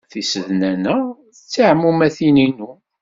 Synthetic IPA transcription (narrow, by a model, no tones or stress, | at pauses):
θisəðnænæ | θət͡sːaʕmumæθininu